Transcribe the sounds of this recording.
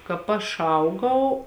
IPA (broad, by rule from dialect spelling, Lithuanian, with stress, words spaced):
kɑːp ˈɐʃ ˈɐʊɡɐʊ